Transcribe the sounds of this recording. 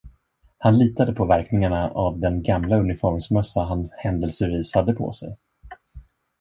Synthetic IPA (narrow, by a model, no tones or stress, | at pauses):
hanliːt̪ad̪əpʰɔvæɾknɪŋaɳaʔavd̪ɛnɡamlaɵnɪfɔɾmsmœsːaɦanhɛnd̪əlsəviːshad̪ːəpʰɔ̰sɛ̰j